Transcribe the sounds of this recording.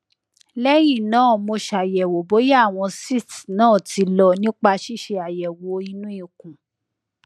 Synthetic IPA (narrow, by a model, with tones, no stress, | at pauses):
lɛ˦j̃ĩ˦˨nãː˦˨mo˧ʃa˨jɛ˨wo˨bo˨˦jw̃ɔ̃˧si˦˨tnãː˦˨ti˧˦lɔ˧˨nĩ˦k͡pa˧ʃi˦˨ʃe˧a˨jɛ˨wo˨˦i˧˦nũ˦ĩ˦˨kũ˨